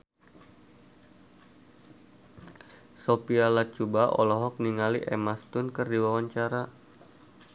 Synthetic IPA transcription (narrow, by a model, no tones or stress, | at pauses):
sopialat͡ʃubaʔɔ̰lɔɦɔk̚niŋaliʔɛmast̪ʊnkɨrdiwawaɲt͡ʃaɾa